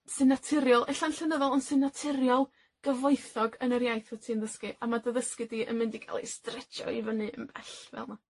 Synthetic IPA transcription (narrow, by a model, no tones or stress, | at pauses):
sɨnatʰɪɾjɔlˠʔɛɬanɬɛnəðɔlˠɔnsɨnatʰɪɾjɔlˠ | ɡ̥əvɔɨθɔɡənərjajθwɛtʰiənðəskɨʔamadəðəskɨdiːʔə̰nmɪndikʰa̰lˠḭstrɛt͡ʃɔ̰ivənɨə̰nb̥ɛ̰ɬvɛ̰lˠma